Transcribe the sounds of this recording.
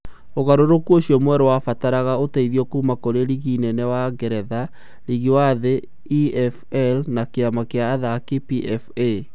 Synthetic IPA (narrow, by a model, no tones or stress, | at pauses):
oɣaɾoɾokuoɕiɔmwɛɾowafataɾaɣaotaiðiɔkumakoɾeɾiɣinɛnɛwaɡɛɾɛða | ɾiɣiwaðe | iɛfɛlnakeamakeaːðakipiʔɛfe